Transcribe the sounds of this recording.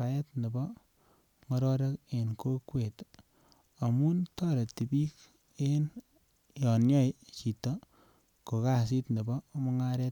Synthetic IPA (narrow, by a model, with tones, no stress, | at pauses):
a˨je˦tne˨bɔ˦ | ŋɔ˦ɾɔ˦ɾe˦ke˨nko˦kwe˨t | a˨mu˦ntɔ˦ɾe˨ti˨bi˦k | en | jɔ˨njɔ˦jt͡ʃi˨to˦ | ko˨ka˨s̬i˦tne˨bɔ˦mo˦ŋa˦ɾe˦t